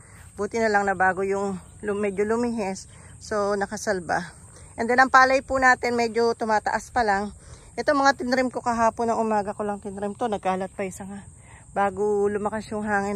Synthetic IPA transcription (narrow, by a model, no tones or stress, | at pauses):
buːt̪ɪnɐlɐŋnɐbaːɡojʊŋ | lʊmɛd͡ʒolʊmiɦɛsː | o̞nɐkɐsɐlba | ʔɛnd̪ɛnʔɐŋpaːlɐjpunaːt̪ɪnmɛd͡ʒo̞t̪ʊmaːt̪ɐ̰ʔaspɐlaŋ | ʔɛt̪oŋmɐŋat̪ɪnɾɪmko̞kɐɦaːponɐŋʔʊmaːɡɐkolɐŋt̪ɪnɾɪmt̪onɐɡ̚kaːlɐt̪̚pɐjsɐŋa | baːɡolʊmɐkasjʊŋɦaːŋɪ